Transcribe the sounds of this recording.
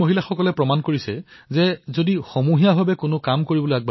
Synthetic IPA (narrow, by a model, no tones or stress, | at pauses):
oɦilaxɔkɔlɛpɹɔmankoɹisɛzɛzodixomuɦijaɦabɛkʊnʊkamkoɹibɔlojaɡ̚b